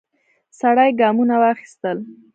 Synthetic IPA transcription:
saɽajɡɑmunawɑxi̥st̪əl

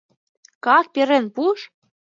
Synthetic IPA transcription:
kɑk̚peɾĕnpuʃ

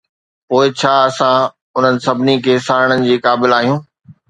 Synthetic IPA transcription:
poːɪt͡ɕʰaːɐsã | ʊn̤ənɪ̆sɐbʱɪnikʰeːsaːɾɪɽ̃ənɪ̆d͡ʑiːkaːbɪlaːɦijũː

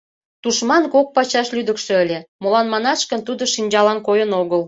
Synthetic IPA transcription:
t̪uʃmɑnkok̚pɑt͡ɕɑʃlyd̪əkʃø̆əlʲemolɑnmɑnɑʃkənt̪ud̪oʃinʲd͡ʑɑlɑnkojənoɣəl

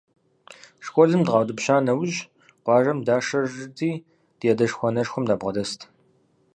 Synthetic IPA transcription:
ʂkʷʼɔzɨmdʁɑːwdɨpɕaːnɐwʑ | qʷɑːʒɐmdaːʂɐrɨdiː | d̥jɛdɐʂxʷɔnɐʂxʷʊmdaːbʁɐdɐstʰ

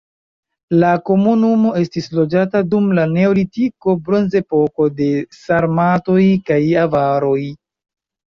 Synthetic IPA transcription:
lako̞munumo̞e̞stislo̞d͡ʒatadumlane̞o̞litiko̞bɾo̞nze̞po̞ko̞de̞saɾmato̞jkajavaɾo̞j

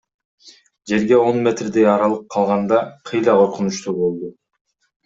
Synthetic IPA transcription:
d͡ʒe̞ɾɡe̞o̞nmʲe̞t̪rd̪ejɑɾɑlˠɯp̚qʰɑlˠʁɑnd̪ɑqʰɯjlˠɑqʰo̞ɾqunut͡ʃt̪ubo̞lˠd̪u

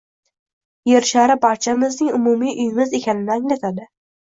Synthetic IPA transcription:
jeɾʃaɾɪpʰɒt͡ʃʰamɪznɪŋʊmumijʔʊjɪmɪzekʲanɪnɪaŋlat̪ʰad̪ɪ

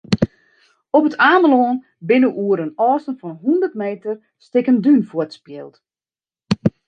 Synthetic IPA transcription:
ɔpətʰaːməloːn | bɪnəʔuəɾənɔːsənfɔnɦundərtmeːtər | stɪkəndynfɔətspjɪːlˠt

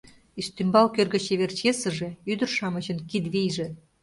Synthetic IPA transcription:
iʃt̪ymbɑlkørɣə̆t͡ɕeβert͡ɕesə̆ʒe̽yd̪ə̆rʃɑmə̆ʑə̆nkid̪βijʒĕ

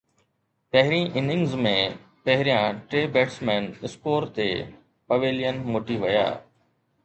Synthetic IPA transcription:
pɐɦɪɾĩʔɪnɪ̃ŋɡzmẽ | pɐɦɾijãʈɾeːbeːʈsmɛ̃ːnɪspoːɾt̪eː | pɐʋeːlijənmoːʈiʋɐja̰ː

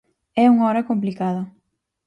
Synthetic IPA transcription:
ɛuŋɔɾɐkomplikaðɐ

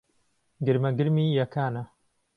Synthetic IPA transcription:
ɡɨɾmɐɡɨɾmiːjɐkʰaːnɐ

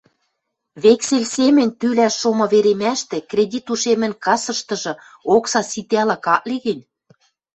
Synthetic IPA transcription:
βekselʲsemɘ̆nʲt̪ylæʃːomɤ̆βeɾemæʃt̪ĕkrʲedʲit̪uʃemɘ̆nkɑsɤ̆ʃt̪ɤ̆ʒɤ̆ | oksɑsit̪ælɑkɑʔ̚liɣɘ̆nʲ

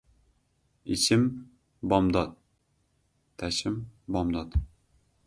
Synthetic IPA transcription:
it͡ʃɪm | bɒmd̪ɑt̪̚ | æʃɪmbɒmd̪ɑt̪

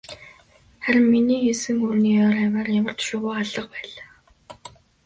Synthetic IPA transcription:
χæɾʲɪ̆mːiniːxesɘ̆ŋurniːɔːɾæwaːrjamə̆r̥t̪ʃʊːɣʊːaɮə̆q̚pæːɮaː

